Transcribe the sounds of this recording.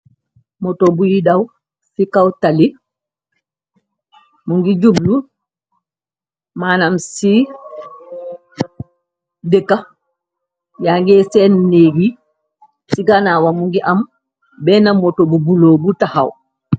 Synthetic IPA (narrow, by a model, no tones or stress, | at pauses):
mɔtobujidaw | sikawtali | muŋɡid͡ʒublu | manamsi | dɛkːa | jaŋɡɛsɛnneɡi | siɡanawamuŋɡiʔam | bɛnamːɔtobubuloːbutaha̰w